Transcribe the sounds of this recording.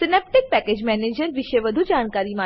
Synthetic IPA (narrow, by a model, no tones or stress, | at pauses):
sɪneːp̚ʈɪk̚pɛːkeːd͡ʑmɛːneːd͡ʒəɾʋɪʃeʋɐd̪ʱud͡ʒaːnkaːɾimã